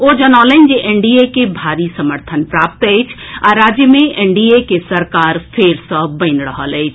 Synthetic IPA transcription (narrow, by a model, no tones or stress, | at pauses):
od͡ʒənaləɪnd͡ʒeʔeɳɖiekebʱaɾisəməɾt̪ʰənpɾap̚t̪əjt͡ʃʰaɾad͡ʒjəmẽʔeɳɖiekesəɾkaːɾpʰeɾsə̃bəɪnɾəɦələɪt͡ʃʰ